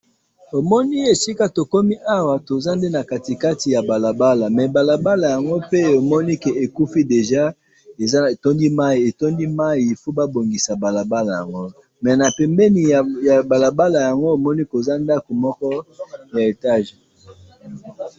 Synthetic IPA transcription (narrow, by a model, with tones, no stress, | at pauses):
o˨mɔ˦ni˦e˨si˦ka˦to˨ko˦mi˦ʔa˦wa˨to˨za˦nde˦na˨ka˨ti˨ka˦ti˨ja˨ba˨la˨ba˦la˨mɛ˨ba˨la˨ba˦la˨ja˨ŋɡo˦pe˦o˨mɔ˦ni˦kɛ˨e˨ku˦fi˦de˨ʒa˦ | e˨za˦˨to˦ndi˦ma˦i˨e˨to˦ndi˦ma˦i˨fo˦ba˦bo˨ŋɡi˨sa˨ba˨la˨ba˦la˨ja̰˨ŋɡo˦ | mɛ˨na˨pɛ˨mbɛ˦ni˨ja˨ba˨la˨ba˦la˨ja˨ŋɡo˦o˨mɔ˦ni˦ko˨za˦nda˦ko˨mɔ˦kɔ˦ja˨e˨ta˦ʒe˨